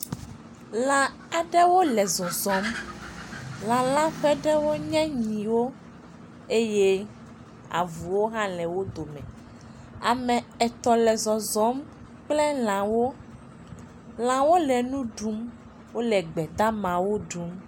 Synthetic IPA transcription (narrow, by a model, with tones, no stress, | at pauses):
lã˨ | a˨ɖɛ˦wo˦lɛ˨zɔ˨zɔ˨˦m | lã˨lã˦ɸɛ˦ɖɛ˦wo˦ɲɛ̃˦ɲĩ˨wo˦ | e˦je˦ | a̰˨vu˨wo˦ɦã˦lɛ˨wo˦d̪o˨mɛ̰̃˨ | a˨mɛ̃˨ɛ˨t̪ɔ˨lɛ˨zɔ˨zɔ˨˦m | k͡plɛ˦l̃ã˨wo˦ | l̃ã˨wo˦lɛ˨nũ˦ɖu˦m | wo˦lɛ˨ɡ͡bɛ˨d̪a˦mã˨wo˦ɖu˨˦m